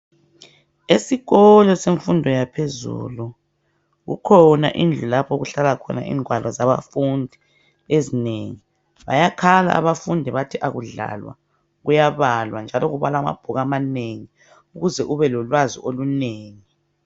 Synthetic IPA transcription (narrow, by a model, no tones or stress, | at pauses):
esiɣɔlɔseɱfundʱɔjapʰezṵlu | ɣṵkʰɔna̰ʔind͡ɮʱulapʰɔɣuɬalakʰɔna̰ʔḭːŋʱwalɔzaβa̰fundʱi | ezineŋi | βa̰jakʰala̰ʔːβafundʱiβatʰiʔaɣuɮa̰lwa̰ | ɣujaβalwand͡ʒʱalɔɣuβalauma̰b̥ʱuɣamaneŋi | uɣuzɛʔuβɛlɔlwazḭʔoluneːŋi